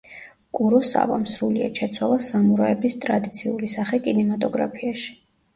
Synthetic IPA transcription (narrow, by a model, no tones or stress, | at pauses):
kʼuɾɔsa̰va̰msɾulia̰t͡ʃʰɛt̪sʰwalˠasamuɾaɛbist̪ʼɾad̪it̪sʰiulisaχɛkʼinɛmat̪ʼɔɡɾa̰pʰiaʃi̥